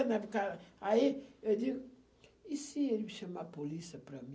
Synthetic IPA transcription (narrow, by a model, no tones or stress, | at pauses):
nɛvkaɾaied̪iɡu | isieliviʃɐmapolisɐpɾɐmĩ